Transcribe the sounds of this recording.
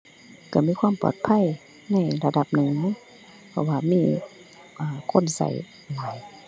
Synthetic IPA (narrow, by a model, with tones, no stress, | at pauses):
ka˧˩miː˧˥˨kʰwaː˧˥˨mpɔ̰˨˩t̪̚pʰa˧˥˨j | na˧˥˨jla˧da˧˦p̚nɯ˨ŋ | pʰɔ˧˨waː˧miː˧˥˨ | ʔaː˨˩kʰo˧˥˨nsa̰˨˦j | maː˨˩j